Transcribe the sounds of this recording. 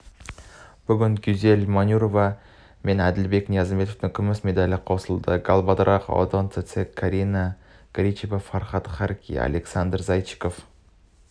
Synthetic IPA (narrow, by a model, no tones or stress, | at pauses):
b̥ɵɡʲɪŋɡʲʏze̞lmanʲuɾova | me̞næd̪ɪlbe̞knijazmbe̞t̪oft̪ɪŋkʲʰʏmɪsme̞d̪alʲɪqʰosəlˠd̪əɡalˠbɑd̪ɾʔɑqo̰d̪ont̪et̪sekʰːaɾʲina | ɡ̥ɾʲit͡ʃevafaɾχɑt̪χaɾkʲʰḭa̰lʲeksand̪əɾzajt͡ʃi̥kof